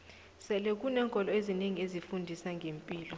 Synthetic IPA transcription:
sɛlɛk̬ʼunɛːŋkʼɔlɔezineŋiezifundʱisaŋɡʱempʼiːlɔ

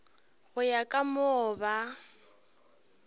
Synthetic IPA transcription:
ɣʊjakʼamʊːba

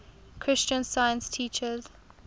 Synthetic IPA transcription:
kʰɹ̥ɪst͡ʃə̃nsajə̃nstʰiːt͡ʃəz

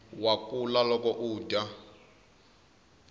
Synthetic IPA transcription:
wakulalɔkɔʔuːda

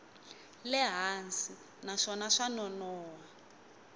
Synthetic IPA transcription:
lɛɦansi | naʂɔnaʂanɔnɔːwa

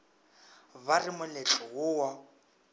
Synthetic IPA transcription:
βarɪmʊlet͡ɬʼɔɣʊwa

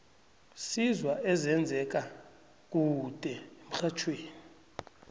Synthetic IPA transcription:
sizwaʔɛzɛnd͡zʱɛk̬ʼa | k̬ʼud̥ʱʼɛem̩xat͡ʃʰweːni

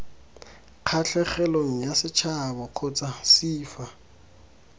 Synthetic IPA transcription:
q͡χʰaɬʰɛχɛloŋ̩jasɪt͡ʃʰabɔq͡χʰʊt͡sʼasiːfa

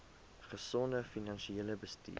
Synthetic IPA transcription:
χəsɔndəfinɐnʃieːləbəstḭː

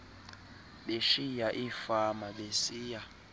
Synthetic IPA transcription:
ɓeʃijaʔifamaɓesiːja

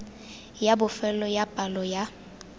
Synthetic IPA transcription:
jabʊfɛlɔjapʼalɔja

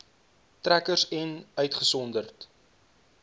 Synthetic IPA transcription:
trækərsɛnœɥtχəsɔndərt

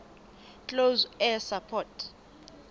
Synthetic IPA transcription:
t͡ɬʼozɛsapʰɔːtʰ

